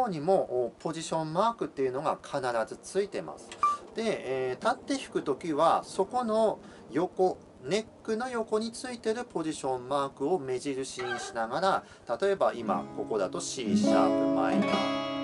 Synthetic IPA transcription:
oɲ̟imo̞ʔːpʰo̞ʑiɕõ̞mːaːkɯ̟t̪ːe̞iɯ̟no̞ɡakʰanaɾazɨt͡sɨit̪e̞ma̰sɨ̥d̪̥e̞ːt̪at̪ːe̞çi̥kɯ̟t̪o̞kʲiβaso̞ko̞no̞ | jo̞ko̞ | ne̞kːɯ̟no̞jo̞ko̞ɲ̟it͡sɨit̪e̞ɾɯ̟po̞ʑiɕõ̞mːaːkɯ̟o̞me̞ʑiɾɯ̟ɕĩɕinaɡaɾa | t̪at̪o̞e̞baima̰ko̞ko̞d̪at̪o̞ɕiːɕi̥t̪a̰ma̰ḛnas

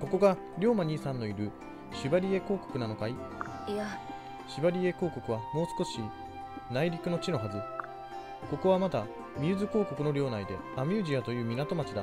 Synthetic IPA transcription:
ko̞ko̞ɡa | ɾʲo̞ːmaɲ̟iːsãnːo̞iɾɯ̟ | ɕibaɾʲie̞ko̞ːko̞̥kɯ̟nano̞kaia | ɕibaɾʲie̞ko̞ːko̞kɯ̟βamo̞ːsɨ̥ko̞ɕi | naiɾʲikɯ̟no̞t͡ɕino̞ɦazɨ | ko̞ko̞β̞amat̪a | mʲiɯzɨko̞ːko̞kɯ̟no̞ɾʲo̞ːnaid̪e̞amʲɨːʑiat̪o̞jɯ̟ːmʲinat̪o̞mat͡ɕid̪a

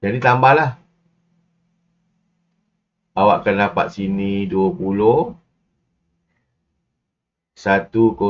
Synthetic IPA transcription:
d͡ʒadit̪ambahlah | bawa̰ʔkanapat̪̚siniduəpulo | sat̪uko

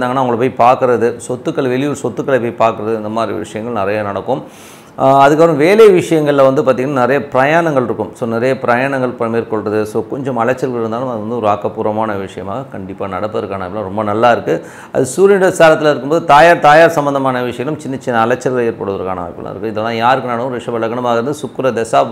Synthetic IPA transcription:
aːŋɐnːaːʊŋɡɐɭpːoːjpaːɾkɯɾɐðɯsɔt̪ːɯkːɐɭʋɛɭɪjuɾsɔt̪ːɯkːɐɭɐpːoːjpaːɾkɯɾɐðɯɪnd̪ɐmaːd̪ɾḭʋɪ̰ʂɐjɐŋɡɐɭnɪɾɐjanɐɽɐkːʊm | ɐðɯkːapɪɾɐ̃ʋeːleɐʋɪʂɐjɐŋɡɐɭɪlɐʋɐnd̪ɯpaːɾt̪iːŋɡɐnaːnɪɾɐjɐpɪɾɐjaːɳɐŋɡɐɭɪɾɯkːɯmsoːnɪɾɐjɐpɪɾɐjaːɳɐŋɡɐɭpɐmeːɾkɔɭrɐðɯsoːkɔɲd͡ʒɐmɐlɐt͡ʃːɐɾkɐɪɾɯnd̪aːlɯ̃mɐðɯʋɐnd̪ɯɔɾɯaːkːɐpːuːɾɐmaːnɐʋɪʂɐjɐma̰ːɣɐkɐɳɖɪpːaːnɐɽɐpːɐðɐɾkːaːnɐɪpɐlːãːɾɔmbɐnɐlːaːɪɾɯkːɯ | ʔɐ̰ðɯsuːɾɪɳɖɐsaːɾɐt̪ːɪlɐɪɾɯkːɯmboːðɯt̪aːjaːɾt̪aːjaːɾsɐmbɐnd̪ɐmaːnɐʋɪʂɐjɐɡɐlɯmt͡ʃɪnːɐt͡ʃːɪnːɐːlɐt͡ʃːɐɾɣɐɭeːɾpɐːɽɯʋɐðɐɾkaːnɐʋa̰ːjkːɐl̰ːɪɾɯkːɯɪðɐlːãːjaːɾɯkːɯnɐɽɐkʊ̃ɾɪʂɐʋɐɭɐɣɐɳɐmaːɣɪɾɐnd̪ɯsʊkːɯɾɐd̪ɛsaː

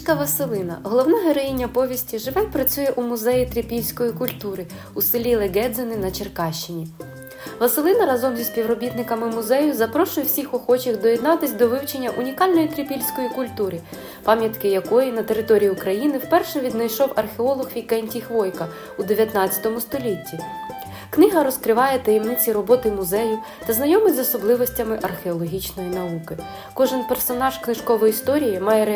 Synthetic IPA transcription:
kɐʋɐsɪlˠɪnɐ̰ɦɔlˠɔwnɛɦeɾɔjinʲːɐpɔʋʲisʲtʲiʒɪʋɛpɾɐt͡sʲujɛʔumʊzɛjit̪ɾʲipʲilʲsʲkɔjikʊlʲt̪uɾɪ | usɪlʲilˠeɡɛd̪zenɪnɐt͡ʃerkɑʃt͡ʃːɪnʲi | ʋɐsɪlˠɪnɐɾɑzɔmzʲisʲpʲiwɾɔbʲit̪nɪkɐmɪmʊzɛjʊzɐpɾɔʃʊjɛwsʲixɔxɔt͡ʃixd̪ɔjɛd̪nɑt̪ɪsʲd̪ɔʋɪwt͡ʃenʲːɐʔunʲikɑlʲnɔjit̪ɾʲipʲilʲsʲkɔjikʊlʲt̪uɾɪ | pɑmʲjɐt̪kɪjɐkɔjinɐt̪e̞ɾɪt̪ɔɾʲijiʊkɾɐjinɪwpɛrʃɛʋʲid̪nɐjʃɔwɐrxeɔlˠɔxʋʲikɛnʲtʲijxʋɔjkɐ | ud̪eʋʲjɐt̪nɑt͡st͡sʲɐ̥t̪ɔmʊst̪ɔlʲitʲːi | knɪɦɐɾɔskɾɪʋɑjɛt̪ɐjɛmnɪt͡sʲiɾɔbɔt̪ɪmʊzɛjʊ | t̪ɐznɐjɔmɪzɔsɔblˠɪʋɔsʲtʲɐmɪʔɐrxʲeɔlˠɔɦʲit͡ʃnɔjinɐukɪ | kɔʒɪnpersɔnɑʒknɪʒkɔʋɔjist̪ɔɾʲijimɑjɛɾe

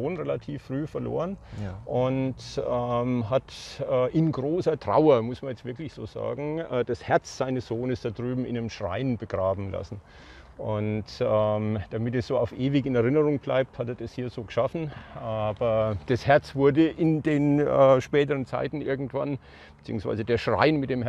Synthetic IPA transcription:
oːnʁelatʰiːfʁ̥yːfɛɐlo̰ːʁənʔʊntɛmɦatɛːʔɪnɡʁoːsɐtʁ̥a̰ʊɐmʊsmanjɛt͡stvɪɐklɪçz̥oːza̰ːɡŋ̩ʔɛːd̥ashɛɐt͡sz̥aɪnəsz̥oːnəsd̥adʁyːbm̩ɪnamʃʁ̥a̰ɪnbəɡʁaːbm̩la̰sn̩ | ʔʊntɛmd̥amɪtɛsz̥oːaʊfʔeːvɪçɪnɛɐʁɪnəʁʊŋb̥la̰ɪp̚thateːɐd̥ashiːɐzoːɡəʃafn̩ʔaːbɐd̥ashɛɐt͡sv̥ʊɐdəʔɪndeːnɛːʃpɛːtəʁənt͡sa̰ɪtn̩ʔɪɐɡŋ̩tv̥a̰n | b̥ət͡siːʊŋsv̥a̰ɪzədeːɐʃʁ̥a̰ɪnmɪt̚d̥eːm

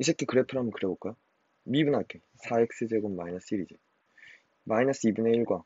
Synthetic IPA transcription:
is̬ʰɯk͈ʰːekɯɾepʰɯɾamɯnkɯɾeboɭk͈ajo | mibɯnakʰe | sʰaek̚s͈ed͡ʑeɡɯmːainas͈iɾid͡ʑi | mainas͈ɯibɯneiɭɡwa

